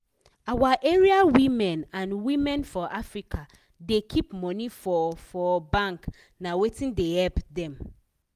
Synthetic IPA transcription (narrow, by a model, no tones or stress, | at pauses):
awaʔɛɹiawimɛ̃nãnwimɛ̃nfɔʔafɹikʰa | dekʰipmɔnifɔfɔbãŋk | nawetĩndehɛlpdɛ̃m